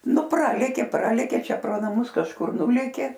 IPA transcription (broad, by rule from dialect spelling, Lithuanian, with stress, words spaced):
nʊ ˈprɑːlʲeːkʲeː ˈprɑːlʲeːkʲeː ˈt͡ʃʲɛ proː nɐˈmʊs kɐʃˈkʊr ˈnʊlʲeːkʲeː